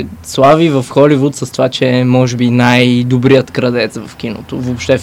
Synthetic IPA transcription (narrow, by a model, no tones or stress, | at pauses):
slˠavivɐfxɔlivut̪səst̪ovat͡ʃɛmɔʒɛbinajd̪obɾijət̪kɾɐd̪ɛt̪svɐfk̟ino̰t̪ovopʃt̪ɛ